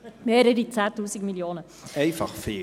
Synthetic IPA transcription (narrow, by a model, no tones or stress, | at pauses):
meːɾəɾit͡sæːtuːsikmiljoːnə | eɪfɑχfeː